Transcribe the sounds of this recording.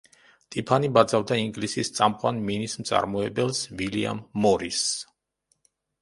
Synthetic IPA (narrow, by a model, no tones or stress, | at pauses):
t̪ʼipʰanibad̪zavd̪aiŋɡlisist̪sʼamqʼwanminismt̪sʼa̰ɾmɔɛbɛlˠsvilḭa̰mːɔɾis